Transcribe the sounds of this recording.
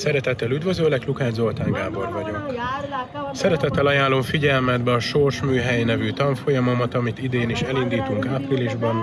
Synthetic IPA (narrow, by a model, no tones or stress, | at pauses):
sɛɾɛt̪ɛt̪ːɛlyd̪vø̞zøːlɛklukaːd͡ʒzo̞lt̪aːŋɡaːbo̞rvɒɟo̞k | sɛɾɛt̪ɛt̪ːɛlɒjaːlːo̞mfiɟɛlmɛd̪bɛɒʃo̞rʃmyːɦɛjnɛvyt̪ɒɱfo̞jɒmɒmɒt̪ɒmit̪id̪eːniʃɛlind̪iːt̪uŋkaːpriliʒbɒn